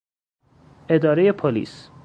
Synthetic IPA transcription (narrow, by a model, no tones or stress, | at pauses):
ʔe̞d̪ɒːɾeje̞pʰolḭːs